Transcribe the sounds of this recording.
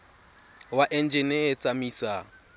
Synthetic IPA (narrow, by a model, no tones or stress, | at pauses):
waʔɛnd͡ʒɪneːt͡sʼamisa